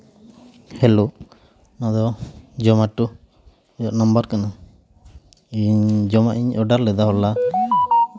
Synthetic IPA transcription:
hɛlo | nad̪ɔd͡ʒɔmaʈu | ɔjɔʔnɔmbaɾkana | iɲd͡ʒɔmaʔiɲʔɔɖaɾlɛd̪aɦɔla

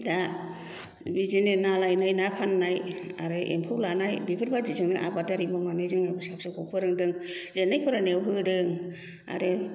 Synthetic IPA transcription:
da | bizinenalajnajnapʰanːaja̰ɾɯʔḛmpʰɯwlanajbipʰɯɾbad͡ʒizɯŋnɯʔa̰badaɾimɔmanɯjzɯŋnabɯsapsɯkʰɔpʰɯɾɯŋdɯŋlenːajpʰɯɾanewɦɯdɯŋ | a̰ɾɯ

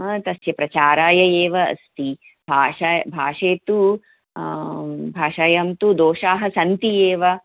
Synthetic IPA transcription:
t̪ɐsjɐpɾɐt͡ʃaːɾaːjɐjeːʋɐɐ̰st̪i | bʱaːʃɐjbʱaːʂeːt̪u | bʱaːʂaːjɐmt̪ud̪oːʃaːɦɐsɐnt̪ijeːʋɐ

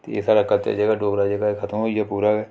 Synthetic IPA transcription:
t̪eḛːsaːɾəkːət̪a̰d͡ʒəɡaːɖoːɡɾaːd͡ʒəɡaːekʰət̪əmɦoːiaːpuːɾaːɡɛː

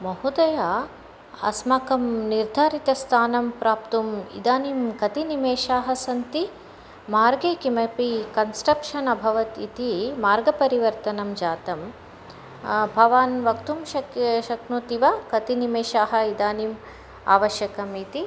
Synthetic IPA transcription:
mɐɦud̪ɐjaː | ɐ̰smɐkɐmniɾd̪ʱaːɾit̪ɐst̪ʰaːnɐmpɾaːpt̪umḭd̪aːnimkɐt̪inimeːʃaːɦɐsɐnt̪i | maːɾɡeːkimɐpikɐnsʈɾɐpʂɐnɐbʱɐʋɐt̪it̪imaːɾɡɐpɐɾiʋɐɾt̪ɐnɐmd͡ʒaːt̪ɐm | bʱɐʋaːnʋɐkt̪umʃɐʃɐknuːt̪iʋɐkɐt̪inimeːʃaːɦɐ̆id̪aːnim | a̰ːʋɐʃjɐkɐmit̪i

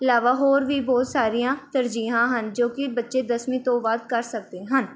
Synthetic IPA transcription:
ɪlaːʋaːɦoːɾʋiːbɔːt̪saːɾijãːt̪əɾd͡ʒiːãːɦənd͡ʒoːkɪbətːʃeːd̪əsmĩːt̪õːʋad̪kəɾsək̚d̪eːɦən

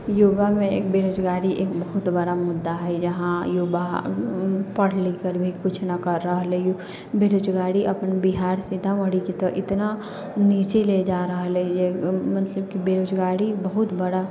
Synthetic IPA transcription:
juːbamẽeːk̚beːɾoːd͡ʒɡaːɽiʔeːkbɐɦʊt̪bəɽamʊd̪ːaɦɛd͡ʒɐɦãjuːba | pɐɽ̤likəɾbʱikʊt͡ʃʰnakɐɾːəɦəlɛju | beːɾoːd͡ʒɡaːɽiʔɐpnbiɦaːɾsɪd̪ʱaʋəɽikit̪oʔɪt̪na | niːt͡ʃeled͡ʒaːɾəɦlɛd͡ʒemət̪ləb̚kibeːɾoːd͡ʒɡaːɽibɐɦʊt̪bəɽa

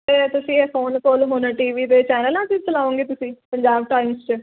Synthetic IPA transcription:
t̪eːt̪ʊsĩːefʰoːnkoːlɦoːnãːʈiːʋiːt̪eːt͡ʃɛːnəlãːt̪it͡ʃəlaːõːŋɡeːt̪ʊsĩːpəɲd͡ʒaːb̚ʈaːɪmst͡ʃə

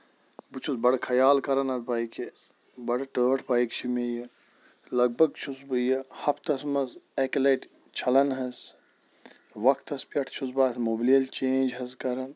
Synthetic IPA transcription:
but͡ʃʰusbɐɽkʰɐjaːlkɐɾɐnɐd̪̚baːike | bɐɽʈəːʈʰpaːjikt͡ʃʰimejɐ | lɐɡ̚bʱɐɡ̚t͡ʃʰusbɨjɐhɐpʰt̪ɐsmɐzeklɐʈ | t͡ʃʰɐlɐnɦɐs | ʋɐkʰt̪ɐspʲɐʈʰt͡ʃʰusbaːsmoːbilijɐlt͡ʃeːnd͡ʒɦɐzkɐɾɐn

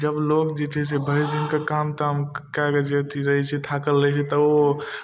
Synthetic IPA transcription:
d͡ʒəblokd͡ʒet͡ʃʰɛsebʱəɪɾd̪inkekamt̪amkaɡed͡ʒet̪iɾəɦɛt͡ʃʰɛt̪ʰakəlːət͡ʃʰɛt̪əo

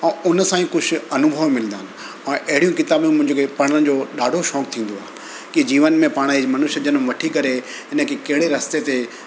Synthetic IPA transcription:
ɛ̃ːʊnə̆sãːĩkʊd͡ʑʱʰʊ̆ɐnʊbʱəʋmɪlə̃nd̪aːnɪ̆ | ɛ̃ːʔɐɦɪɽijũkɪt̪aːbjũmʊ̃ɦɪ̃ɲd͡ʑokepɐɽ̃əɽ̃ɪ̆d͡ʑoɗaːɖʱoʃɔːk̚t̪ʰĩːn̆d̪oaːe | kid͡ʑiːʋənmẽpaːɽ̃imɐnʊʃəd͡ʑənmʋɐʈʰikɐɾe | ɦɪnə̆kʰekɐɦɪɽeɾɐst̪et̪e

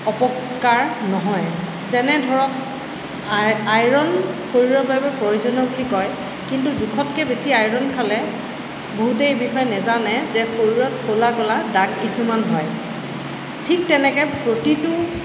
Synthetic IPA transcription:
ɔpɔkː | aɹnɔɦɔj | zɛnɛdʱɔɹɔk | ajɹɔnkʰoɹiɹɔbajbɛpɹojuzɔnɔbulikɔj | kintudukʰɔtkɛbesiajɹɔnkʰalɛ | boɦutejbixɔjɛnɛzanɛzɛxʰoɹiɹɔtkʰolakɔladaɡkisumanɦɔj | tʰik̚tɛnɛkɛpɹotitʊ

